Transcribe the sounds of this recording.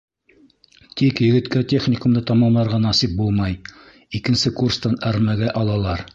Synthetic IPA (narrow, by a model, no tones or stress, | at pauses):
t̪ikjɵ̆ɡɘ̆t̪kæt̪ʲeχnʲɪkumd̪ɤt̪ɑmɑmlˠɑɾʁɑnɑsip̚bulˠmɑj | ikɘ̆nsɘkurst̪ɑnæɾmæɡæʔɑlˠɑlˠɑɾ